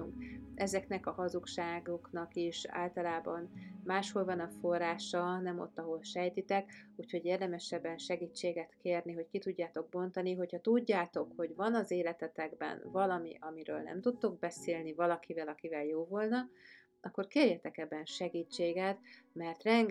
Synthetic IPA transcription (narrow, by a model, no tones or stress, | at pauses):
uŋkɛzɛkn̪ɛkɒhɒzukʃaːɡoknɒkiʃa̰ːlt̪ɒlaːbɒnmaːʃho̞lvɒnɒforːaːʃɒnɛmo̞̰t̪ːɒɦo̞lʃɛjt̪it̪ɛkuːcho̞ɟeːrd̪ɛmɛʃɛbːɛnʃɛɡiːt͡ʃːeːɡɛt̪keːrniɦo̞ckit̪uɟːaːt̪o̞ɡ̚bo̞nt̪ɒniɦo̞chɒt̪uɟːaːt̪o̞kho̞ɟvɒnɒzeːlɛt̪ɛt̪ɛɡbɛ̰nvɒlɒmḭʔɒmiɾø̰ːlnɛ̰mt̪ut̪ːo̞ɡ̚bɛseːlnivɒlɒkivɛlɒkivɛljoːvo̞lnɒ | ɒkːo̞rkeːrjɛt̪ɛkɛbːɛnʃɛɡiːt͡ʃːeːɡɛt̪mɛrt̪rɛŋɡ